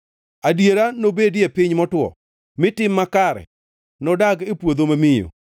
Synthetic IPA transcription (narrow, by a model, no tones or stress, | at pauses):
adjeɾanobedepɪɲmɔtwɔ̰ | mɪtɪmːakaɾɛ̰ | nɔdaɡepwod̪omamɪjo̰